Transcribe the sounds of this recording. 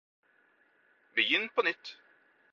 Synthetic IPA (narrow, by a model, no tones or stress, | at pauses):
bəjɪnːpʰɔnʏt̪ː